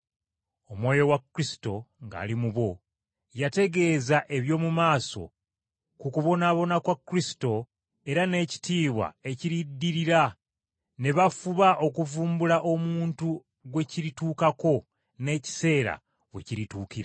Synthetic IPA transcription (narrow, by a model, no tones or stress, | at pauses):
o̞mwo̞ːjo̞wakɾisi̥to̞ŋɡa̰ːlimuβo̞ | jate̞ɡe̞ːzaʔe̞βjo̞ːmumaːso̞̰ | kukuβo̞naβo̞nakwakːɾisi̥to̞ | e̞ɾane̞ːci̥tiːβwa̰e̞ciɾidːiɾiɾa | ne̞βafuβaʔo̞kuvuːmbulaʔomuːntu | ɡwe̞ciɾituːkako̞ | ne̞ːci̥se̞ːɾa̰ | wḛciɾituːkiɾa